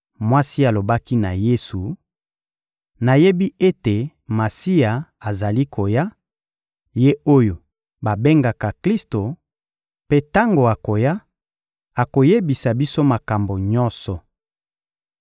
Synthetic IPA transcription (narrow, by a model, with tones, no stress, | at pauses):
mwa˦si˦a˨lo˨ba˦ki˦na˨je˦su˨ | na˨je˦bi˦e˦te˨ | ma˨si˦a˨a˨za˨li˦kʰo˨ja˦ | je˦o˦jo˨ | ba˨be˦ŋɡa˨ka˨kli˦sto˨ | pe˦ta˦ŋɡo˨a˨ko˨ja˦ | a˨ko˨je˦bi˨sa˨bi˦so˦ma˨ka˨mbo˨ɲɔ˦nsɔ˨